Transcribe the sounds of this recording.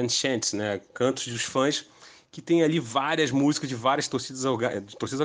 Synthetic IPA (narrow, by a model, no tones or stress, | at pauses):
ɐ̃nʃɛ̃nt̪nɛkɐ̃t̪ʊ̥zd͡ʒʊʃfɐ̃s | kɪt̪ẽj̃alivaɾiɐzmuzikɐzd͡ʒɪvaɾʲiɐʃt̪oɾsid̪ɐzaɡat̪oɾsid̪ɐz